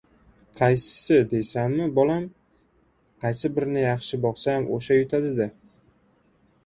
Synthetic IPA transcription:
qʰɑjsɪ̥sɪd̪e̞jsamːɪbɒlam | qʰɑjsɪbɪɾnɪjɑχʃɪbɒχsamʔo̰ʃajʊt̪ʰad̪ɪd̪ɪ

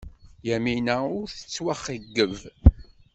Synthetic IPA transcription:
jæminæʊɾθə̥t͡sːwæχiɡːəv

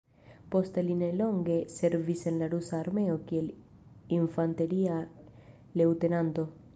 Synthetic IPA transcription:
po̞steline̞lo̞ŋɡe̞se̞ɾvise̞nlaɾusaːɾme̞o̞kie̞l | iɱfante̞ɾia | le̞wte̞nanto̞

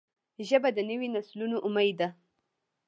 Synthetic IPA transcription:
ʒəbad̪ənəwinaslunoʔʊmajd̪a

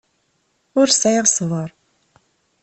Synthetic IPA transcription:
ʊɾsæjʁsvˤəɾˤ

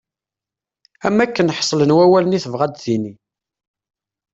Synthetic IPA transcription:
æmːækːənħsˤlənwæwæləniθəvʁæd̪θini

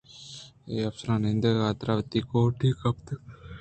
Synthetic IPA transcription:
eɐpsuɾaːnend̪ɐat̪ɾaʋət̪ːikoːʈʰikɐp̚t̪ɨ

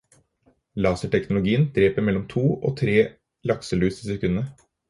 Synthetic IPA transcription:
lɑːsəʈʰɛknʊlʊɡiːənd̪̥ɾeːpəɾmɛlːɔmt̪ʰuːʔo̰ːt̪ʰɾeː | lɑksəlʉːsɪsɛkʉnːə

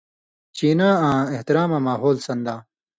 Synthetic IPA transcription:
t͡ɕiːnãːãːeht̪iɾaːmãːmaːɦoːlsɐ̃nd̪ãː

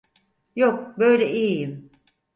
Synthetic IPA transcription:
jokbø̞jlʲɛʔijijim

